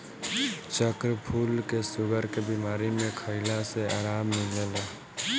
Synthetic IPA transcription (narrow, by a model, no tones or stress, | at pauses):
t͡ʃəkɾəpʰuːlkesʊɡəɾkebimaːɾimẽkʰəɪlãseaːɾaːmːɪd͡ʒəla